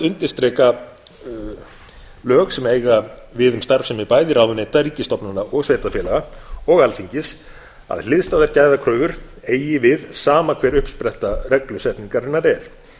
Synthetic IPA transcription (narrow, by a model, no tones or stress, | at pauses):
ʏnt̪ɪɾ̥st̪ɾɛːka | lœːɣsɛmeːjɣavɪðʏmst̪aɾfsɛmɪpaːjðɪɾaːwʏnejt̪aɾiːcɪst̪ɔpnanaʔɔɣsveːjt̪afjɛːlaɣaɔɣalθiɲcɪs | a̰ðlɪðst̪aːðaɾ̥caːjðakʰɾœːvʏɾ̥ | eːjɪvɪðsaːmakʰvɛːɾʏhpspɾɛht̪arɛklʏsɛhp̪niŋkaɾɪnːaɾɛɾ̥